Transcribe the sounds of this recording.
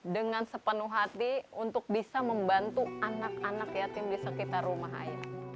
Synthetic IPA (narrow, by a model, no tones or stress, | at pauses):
dəŋansəpənuɦat̪iunt̪ʊk̚bisaməmbant̪uanakanakjat̪aŋbiasakit̪aɾumaɦa̰ja